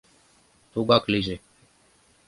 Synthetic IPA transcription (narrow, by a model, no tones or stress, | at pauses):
t̪uːɡakʰliːzeː